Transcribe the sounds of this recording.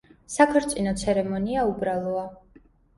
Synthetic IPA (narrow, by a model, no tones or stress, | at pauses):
sakʰɔɾt̪sʼinɔt̪sʰɛɾɛmɔniaubɾalˠɔa